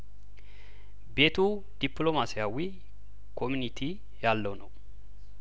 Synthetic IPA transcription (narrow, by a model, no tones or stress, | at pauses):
beːt̪uː | d̪̥ɪplomasɪjawi | kʰɔmʊnɪt̪ʰi | jaːlːonɔ